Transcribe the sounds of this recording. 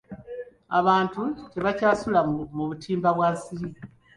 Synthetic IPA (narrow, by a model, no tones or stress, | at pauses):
aβaːntuce̞βacaːsulamuβutʰiːmbaβwaːsiɾi